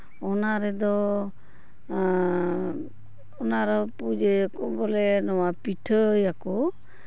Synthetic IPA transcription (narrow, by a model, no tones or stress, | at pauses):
ɔnaɾɛd̪ɔ | ɔnaɾɔpud͡ʒeakɔbɔlɛnɔwapiʈʰəjakɔ